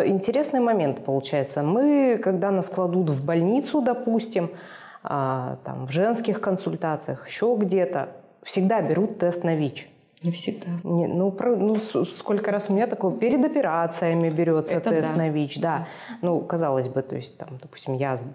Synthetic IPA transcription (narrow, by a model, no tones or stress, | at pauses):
ɪnʲtʲɪɾʲe̞snɨjəmɐmʲe̞nt̪ɨ̥pəlˠʊt͡ɕæjɪt̪səmɨkɐɡd̪anasklˠɐd̪ut̪vbɐlʲnʲit̪sʊd̪ɐpusʲtʲɪm | a̰t̪a̰mvʐɛnskʲɪxkənsʊlʲt̪at̪sɨjəxɪ̥ɕːo̞ɡdʲe̞t̪ə̰ | fsʲɪɡd̪abʲɪɾut̪ːɛst̪nɐvʲit͡ɕ | nʲɪfsʲɪɡd̪anʲɪnupɾɐnussko̞lʲkəɾasmnʲet̪ɐkojpʲɪɾʲɪd̪ɐpʲɪɾat̪sɨjəmʲɪbʲɪɾʲot̪sət̪ɛst̪nɐvʲit͡ɕd̪a | nukɐzalˠəzʲbɨt̪o̞̰ɪsʲt̚ʲt̪amd̪ɐpu̥sʲtʲɪmjaz